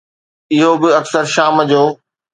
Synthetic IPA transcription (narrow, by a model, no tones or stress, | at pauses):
ɪɦobɪɐksəɾʃaːmd͡ʑoː